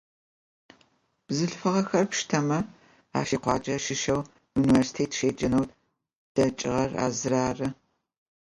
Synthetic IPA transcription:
b̥zɨɬfɨʁɐxɐrpʃtʰɐmɐ | a̰ːʃiːqʷɑ̰ːd͡ʒʼɐʃɪʃɐw | juniversi̥tʰeːtʰʃeːd͡ʒɐnɐw | d̥ɐt͡ʃʼɪ̰ʁɐra̰ːzɨraːrɨ

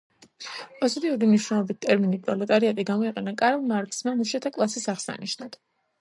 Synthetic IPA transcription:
pʼɔzit̪ʼiuɾimniʃwnɛlˠɔbit̪̚t̪ʼɛɾminipʼɾɔlɛt̪ʼaɾiat̪ʼiɡamɔiqʼɛnakʼaɾɛlˠmaɾkʼsmamuʃat̪ʰakʼlˠasisaʁsa̰niʃnat̪ʰ

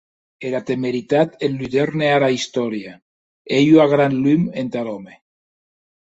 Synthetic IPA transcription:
eɾat̪emeɾit̪at̪enlyðeɾneaɾaist̪ɔɾja | ejuaɣɾanlyment̪alome

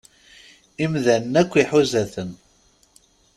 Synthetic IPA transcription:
imðænːækʷːiħuzæθən

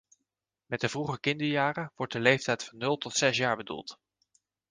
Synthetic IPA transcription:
mɛt̚dəvruχəkɪndəɹjaːrəʋɔɹt̚dəlejftɛjtfɑnːɵlˠtɔtsɛsjaːɹbədṵlˠt

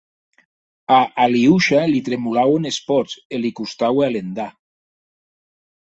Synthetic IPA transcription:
aʔaliuʃalit̪ɾemulawenespɔselikust̪awalend̪a

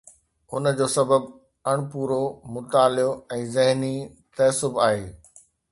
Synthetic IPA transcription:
ʊnd͡ʑoːsɐbəb | ɐɽ̃puːɾomʊt̪aːlɪjoɛ̃ːzɐɦni | t̪ɐsʊbaːɦeː

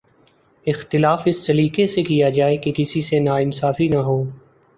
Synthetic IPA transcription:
ɪxt̪ɪlaːfɪsːɐɾiːkesekijad͡ʒaːekekɪsisenaːɪnsaːfinaɦoː

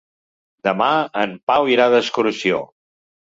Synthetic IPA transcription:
d̪əmaəmpawiɾaðəskuɾusio̰

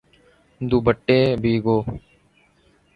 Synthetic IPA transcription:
d̪uːbəʈːeːbʱiːɡoː

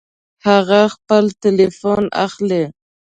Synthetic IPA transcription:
haɣaxpəlt̪ɪlefona̰xle

